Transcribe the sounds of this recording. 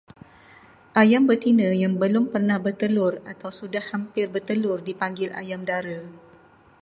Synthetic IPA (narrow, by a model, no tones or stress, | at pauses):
ʔajambət̪inə̃jaŋbəlʊmpərnahbərt̪əlʊrat̪awsudahːampɪrbərt̪əlʊrdipaŋɡɪlʔa̰jamdaɾa